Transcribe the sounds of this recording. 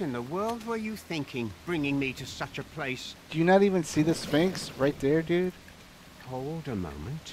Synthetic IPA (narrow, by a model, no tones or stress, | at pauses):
ɨ̃nðəwɜ˞lˠd̚wə˞jɨθɪ̃ŋkʰɪ̃ŋb̥ɹɪ̃ŋɪ̃ŋmiɾɨsʌt͡ʃɨpʰl̥eɪsd̥ɨjɨnəɾivɨ̃nsiðɪsfẽɪksɹaɪt̪̚ðə˞dʉd̥ | hoʊlˠdɨmõ̰ʊ̃mɨ̃nt